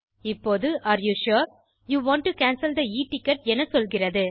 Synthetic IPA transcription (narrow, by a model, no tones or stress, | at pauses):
ɪpːoːðɯʔaːɾjuːʃoːɾ | juːʋãːɳʈːukaːnsɐld̪ɐiːʈːɪkːɐʈ̚ɛnɐsɔlɣɪrɐðɯ